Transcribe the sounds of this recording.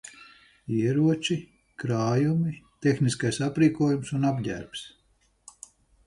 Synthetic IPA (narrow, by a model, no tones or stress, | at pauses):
iɛɾuɔt͡ʃi | kɾaːjumit̪exniskajsapɾiːkuɔjumsunabɟʲæ̰ɾpʲs